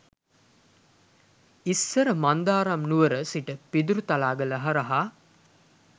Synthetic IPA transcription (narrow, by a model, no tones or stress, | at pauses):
isːəɾəmand̪aːɾamnuʋəɾəsiʈəpid̪uɾut̪alaːɡələɦaɾɐɦa